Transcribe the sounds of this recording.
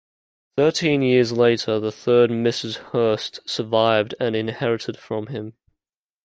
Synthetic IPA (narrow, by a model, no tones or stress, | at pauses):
θɜˑtʰĩnjɪəzleɪtəðəθɜːd̚mɪsɪz̥hɜˑstsəvaɪvdə̃nɪ̃nhɛɹɪtɪd̥fɹə̃mɪ̃m